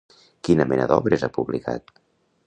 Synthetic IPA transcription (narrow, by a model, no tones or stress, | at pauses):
kinəmɛnəðɔβɾəzapuβlika̰t̪